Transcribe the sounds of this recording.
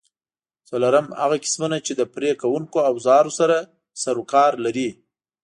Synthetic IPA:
t͡salaɾamha̰ɣakɪ̥smunat͡ʃed̪əpɾekawuŋkoawzɑɾosaɾa | saɾukɑɾlaɾi

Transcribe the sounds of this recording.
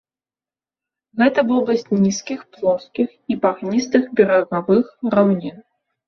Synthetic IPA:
ɣɛt̪ɐvɔblˠɐsʲtʲnʲiskʲixplˠɔskʲixipaɣnʲist̪ɨxbʲɛɾɐɣavɨxɾawnʲin

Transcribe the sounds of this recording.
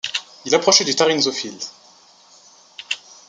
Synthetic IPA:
ilapχɔʃɛd̪yt̪aʁinzofil

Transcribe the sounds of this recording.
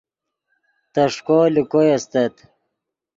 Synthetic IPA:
t̪ɐʂkoːlikojɐst̪ɐt̪

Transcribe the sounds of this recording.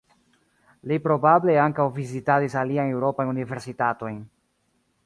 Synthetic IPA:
lipɾo̞bable̞aŋkawvizitaɾisaliajne̞wɾo̞pajunive̞ɾsitato̞jn

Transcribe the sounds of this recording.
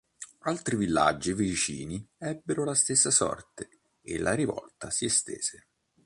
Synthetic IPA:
alt̪ɾivilːa̰d͡ʒːivit͡ʃḭːniɛbːeɾolast̪esːasɔ̰rt̪e | ḛlʔaɾivɔ̰lt̪asiest̪ḛːz̥e

